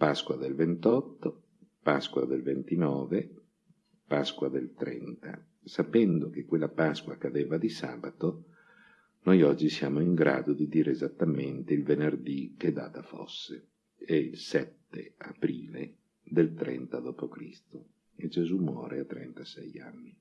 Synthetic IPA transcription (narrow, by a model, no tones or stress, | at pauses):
paskwad̪elvent̪ɔt̪ːo | paskwad̪elvent̪inɔːve | paskwad̪elt̪ɾɛnt̪a̰ | sapɛnd̪ok̟ekːwelːapaskwakad̪eːvad̪isa̰ːbat̪o | nojɔd͡ʒːisjaːmoiŋɡɾa̰ːd̪od̪id̪iːɾeːzat̪ːament̪eilvenerd̪ik̟ed̪ːa̰ːt̪afo̰sːe | ɛilsɛt̪ːḛapɾiːle | d̪elt̪ɾɛ̰nt̪ad̪ɔːpokɾḭst̪o | ed͡ʒezumwɔ̰ːɾeat̪ːɾɛ̰nt̪asɛja̰nːi